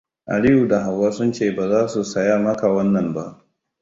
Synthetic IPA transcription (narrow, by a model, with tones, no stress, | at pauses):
ʔa̰˨li˦ju˨da˨ɦa˨wːaː˦sʊ˦nt͡ʃeː˦˨baː˨zaː˦su˨sɐ˨ja˦mɐ˦ka˨wɐ˦nːɐ˨mba˦ʔ